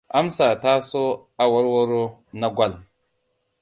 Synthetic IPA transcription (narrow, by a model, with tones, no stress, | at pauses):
a˦msa˨ta˦so˦ | a˨wa˦ɾwo˦ɾo˦na˦ɡʷa˦˨l